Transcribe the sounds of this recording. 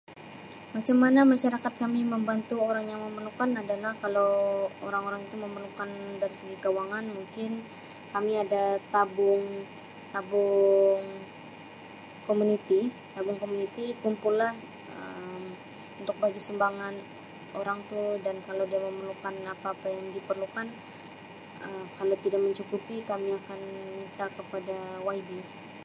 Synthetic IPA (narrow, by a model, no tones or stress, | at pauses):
mat͡ʃamːanamaʃaɾakat̪̚kamiməmbant̪uoɾaŋjaŋməməlukanadalahkalawoɾaŋoɾaŋit̪uməmərlukandaɾisəɡikawaŋanmuŋkɪn | kamiadat̪abʊŋ | t̪abʊŋ | komunit̪i | t̪abʊŋkomunit̪ikumpʊllah | əm | unt̪ʊk̚baɡisumbaŋan | oɾaŋt̪udankalawdiaməmərlukanapaːpajaŋdipərlukan | əmkalawt̪idak̚məɲt͡ʃukupikamiakanmint̪akəpadawaibi